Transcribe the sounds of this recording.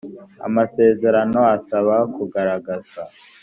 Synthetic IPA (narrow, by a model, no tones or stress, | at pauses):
a̰mase̞ːze̞ɾano̞asaβakuɡaɾaɡaza